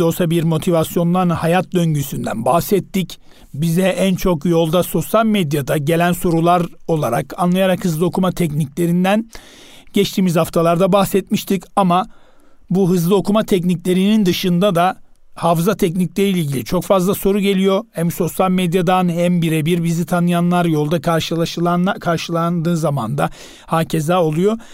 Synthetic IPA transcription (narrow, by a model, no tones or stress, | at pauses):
o̞lˠsabiɾmo̞t̪ʰivasjo̞nlˠanhajat̪̚d̪ø̞ɲɟysynd̪æ̰nbahsɛt̪ʰːic | bizɛʔænt͡ʃʰo̞kjo̞lˠd̪aso̞sjalʲmed̪jad̪aɟe̞lʲænso̞ɾulˠaɾo̞lˠaɾa̰kanlˠajaɾakhɯzlˠɯo̞kʰumat̪ʰɛcnicʲlʲe̞ɾind̪æn | ɟ̥ɛt͡ʃt̪ʰiːmizhaft̪ʰalˠaɾd̪abahsɛt̪miʃt̪ʰicama | buɦɯzlˠɯo̞kʰumat̪ʰɛc̬nicʲlʲe̞ɾinind̪ɯʃɯnd̪ad̪a | hafzat̪ʰɛc̬niclʲeɾiilʲilʲɟʲilʲit͡ʃʰo̞kfazlˠaso̞ɾuɟe̞lʲijo̞hæmso̞sjalʲmed̪jad̪anhæmbiɾɛbiɾbizit̪ʰanɯjanlˠaɾjo̞lˠd̪akʰaɾʃɯlˠaʃɯlˠanakʰaɾʃɯlˠand̪ɯːzama̰nd̪a | haːcʰe̞zao̞lˠujo̞